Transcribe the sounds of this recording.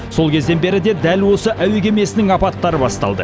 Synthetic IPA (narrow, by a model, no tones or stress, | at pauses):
so̞lˠkʲʰe̞zd̪e̞nbe̞ɾɪd̪e̞d̪ælwo̞səʔæwekʲʰe̞me̞sɪnɪŋɑpɑt̪ːɑɾəbɑst̪ɑ̰lˠd̪ə̰